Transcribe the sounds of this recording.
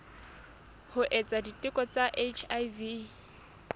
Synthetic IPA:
hʊʔɛt͡sʼaditʼɪkʼɔt͡saʔet͡ʃʰajvi

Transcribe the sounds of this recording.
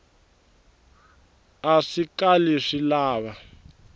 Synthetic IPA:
aʂikaliʂilaːβa

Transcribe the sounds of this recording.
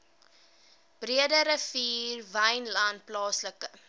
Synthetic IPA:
b̥riədəɾəfiːrvɐjnlɐnplɑːsləkə

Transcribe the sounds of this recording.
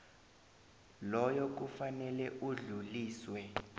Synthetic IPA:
lɔjɔk̬ufanɛlɛʔuɮuliːswɛ

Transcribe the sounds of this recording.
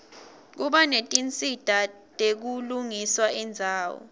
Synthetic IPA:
k̬uɓanetʼint͡sʼid̥ʱa | tʼek̬uluŋiswaɛnd͡zʱaːwɔ̰

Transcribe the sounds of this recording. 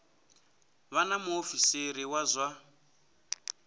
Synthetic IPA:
βanamuofiseɾiwazʷa

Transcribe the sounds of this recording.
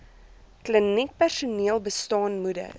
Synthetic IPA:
klənik̚pærsuniəlˠbəstɑːnmudə̰

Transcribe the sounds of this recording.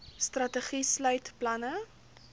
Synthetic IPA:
strɐtəχislœjtplɐnə

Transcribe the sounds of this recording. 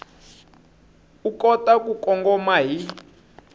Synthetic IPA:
ukɔtakukɔŋɡɔmaɦi

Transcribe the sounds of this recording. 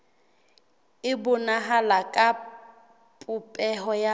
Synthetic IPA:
ɪbʊnaɦalakʼa | pʼʊpʼɛɦɔja

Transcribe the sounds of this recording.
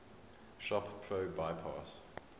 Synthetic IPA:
ʃɔppʰɹoʊbaɪpʰɑ̰s

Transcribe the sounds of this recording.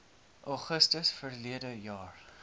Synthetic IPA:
ʔɑχəstəsfərliədəjɑːr

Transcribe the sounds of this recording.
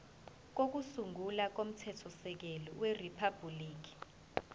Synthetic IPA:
k̬ok̬usuŋulak̬om̩tʰɛtʰɔsɛk̬elɔweripʰab̥ʱuliːk̬i̥

